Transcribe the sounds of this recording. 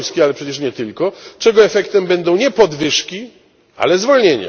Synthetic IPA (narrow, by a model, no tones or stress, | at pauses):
skʲɛalɛpʂɛt͡ɕɛʂɲɛt̪ɘlkɔt͡ʂɛɡɔɛfɛkt̪ɛmbɛnd̪ɔ̃w̃ɲɛpɔd̪vɘʂkʲi | a̰lɛzvɔlɲeɲa̰